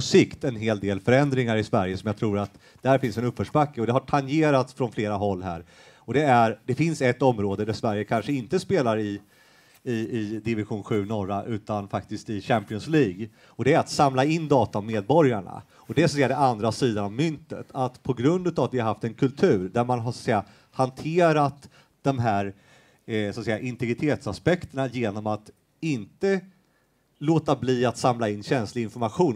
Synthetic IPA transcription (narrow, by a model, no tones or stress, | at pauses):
ɔsɪkt̪ɛnɦeːld̪eːlfœɾɛnd̪ɾɪŋaɾɪsvæɾjəsɔmjaɑt̪ʰɾuːɾat̪ | d̪̥ɛhæɾfɪnsɛnɵpːfœʂbakːəɔd̪ɛhaʈʰanjeːɾat̪sfɾɔnfleːɾaɦɔlːɦæ̰ːɾ | ɔd̪ɛæɾɖ̪ɛfɪnsɛt̪ːɔmːɾoːd̪əd̪æsvæɾjəkʰanʂəɪnt̪əspeːlaɾɪ | ɪɪd̪ɪvɪɧuːnɧʉ̟ːnɔɾaʔʉ̟ːt̪anfak̚t̪ɪst̪ɪɕæmpɪɔnsliːɡ | ɔd̪ɛæɾat̪samlaɪnd̪ɑːt̪aɔmeːd̪̚bɔɾjaɳa̰ | ɔd̪ɛsɔt̪sɛjːad̪ɛʔand̪ɾasiːd̪anavmʏnt̪ə̰t̪ʰat̪pʰɔɡɾɵnd̪ʉ̟t̪avat̪vɪhaɾɦaft̪ɛnkʰɵlt̪ʰʉ̟ːɾɖ̪æɾmanɦaʂɔat̪sɛjːa | hant̪ʰeːɾat̪ | d̪̥ɔmɦæːɾ | sɔat̪sɛjaʔɪnt̪ɛɡɾɪt̪ʰeːt̪saspɛkt̪əɳajeːnɔmat̪ | ɪnt̪ə | loːt̪abliːat̪samlaɪnːɕɛnslɪɡɪnfɔɾmaɧuːn